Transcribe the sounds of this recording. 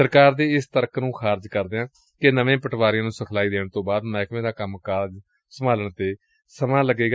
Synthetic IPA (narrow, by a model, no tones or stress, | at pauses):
əɾkaːɾd̪eːɪst̪əɾəknũːxʰaːɾd͡ʒkəɾd̪eãː | kenəʋẽːpəʈʰʋaːɾɪjãːnũːsəkʰlaːiːd̪eːɳ̃t̪õːbaːd̪mɛːkʰʋẽːd̪aːkəmkaːɾd͡ʒ | səmaːləɳt̪eː | səmãːləɡeːɡa